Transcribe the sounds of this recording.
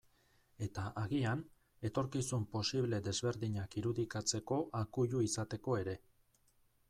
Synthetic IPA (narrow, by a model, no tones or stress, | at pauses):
e̞t̪aʔaɣian | e̞t̪o̞ɾkisumpo̞siβle̞ðe̞zβe̞ɾðiɲakiɾuðikat͡se̞ko̞ʔakuʎuisat̪e̞ko̞e̞ɾe̞